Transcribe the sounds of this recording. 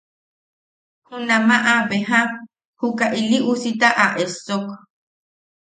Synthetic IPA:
hunamaʔaβeɦã | hukaʔiliʔusit̪aʔaʔesok

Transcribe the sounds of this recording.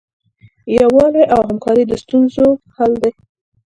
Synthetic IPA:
jawɑleʔawɦamkɑɾid̪əst̪unzohald̪e

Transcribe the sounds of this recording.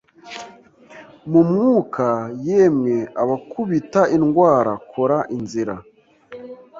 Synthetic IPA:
mumŋuːkʰajeːmŋeaβakuβitaʔinɡwaːɾakʰoɾaʔinziɾa

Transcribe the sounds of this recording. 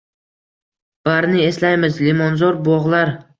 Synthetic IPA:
b̥aɾnɪe̞slajmɪzlimɒnzɒɾbɒʁlˠaɾ

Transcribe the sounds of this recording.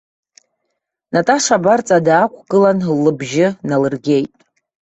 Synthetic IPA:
natʼaʂabart͡sʼadaːkʷʰʼɡʼɨlanlːɨbʒɪnalɨrɡʲe̞jtʼ

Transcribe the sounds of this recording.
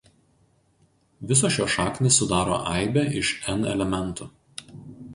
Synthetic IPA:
ʋʲɪs̬oːʃʲjoːʃɑːknʲesʊd̪ɑːɾo̰ːʔɛˑɪbʲɛʔɪʃɛnɛ̰lʲɛmʲɛnˑt̪uː

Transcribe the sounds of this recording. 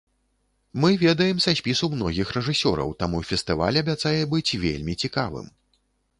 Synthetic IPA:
mɨvʲɛd̪ɐjɛmsasʲpʲisumnɔɣʲixrɛʐɨsʲɔɾɐ̰wt̪amufʲɛst̪ɨva̰lʲɐbʲat̪sajɛbɨt͡sʲvʲḛlʲmʲit͡sʲikavɨ̰m

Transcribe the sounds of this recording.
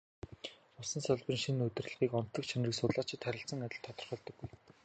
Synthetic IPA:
ʊsə̆nsœɮpə̆nʃinɵt̪ɘ̆r̆ɮə̆ʁiːkɔn̥t̪ːə̆kt͡ɕʰanriːksʊt̪ɮaːt͡ɕʰɪ̆t̪χʰæɾʲɪ̆ɬt͡sə̆ŋat̪ʲɪ̆ɬt̪ʰɔt̪ɞ̆rχœːɮt̪ə̆ɡːuj

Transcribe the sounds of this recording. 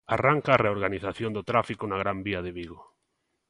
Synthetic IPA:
araŋkaːreoɾɣaniθaθjond̪ʊt̪ɾafikʊnaɣ̞ɾambiɐðɪβiɣo

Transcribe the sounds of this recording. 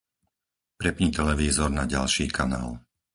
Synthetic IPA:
pɾɛpɲiːt̪ɛlɛʋiːzɔɾnaɟalʃiːkʰana̰ːl

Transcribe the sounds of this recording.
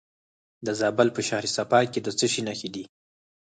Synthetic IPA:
d̪əzɑbalpəʃɑɾisapɑked̪ət͡səʃinaxid̪i

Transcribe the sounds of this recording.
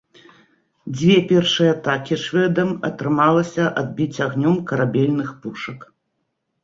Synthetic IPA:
d͡zʲvʲɛpʲɛrʂɨjɛat̪akʲiʂvʲɛd̪ɐmɐ̰t̪ɾɨmalˠɐsʲɐʔad̪̚bʲit͡sʲaɣnʲɔmkɐɾabʲɛlʲnɨxpuʂɐk

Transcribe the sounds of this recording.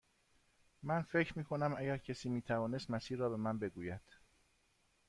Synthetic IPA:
mænfe̞cʰɾmiːkʰo̞næmæɟæɾcʰesiːmiːt̪ʰævɒːne̞st̪mæsiːɾːɒːbe̞mænbe̞ɡuːjæd̪̥

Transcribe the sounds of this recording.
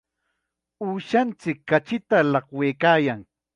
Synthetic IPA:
uːʃant͡sɪkːat͡ʃɪt̪alɑχweːkaːjaŋ

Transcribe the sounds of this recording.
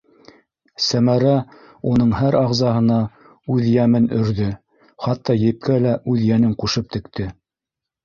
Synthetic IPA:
sæmæɾæ | unɤɴhæɾɑʁzɑɦɤ̆nɑ | ʉðjæmɘnɵ̆ɾðɵ | χɑt̪ːɑjɘ̆p̚kælæʔʉðjænɘŋquʃɤp̚t̪ɘ̆kt̪ʰɘ

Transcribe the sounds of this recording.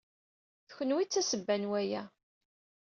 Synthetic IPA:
θçənwit͡sːæsəbːænwæjæ

